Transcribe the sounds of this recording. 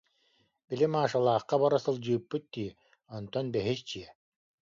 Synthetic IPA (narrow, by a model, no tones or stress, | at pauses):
bilimaːʃalˠaːχqːabaɾasɯlˠd͡ʑɯːpːɯt̪̚d̪iː | ɔnt̪ɔnbɛɦist͡ɕiɛ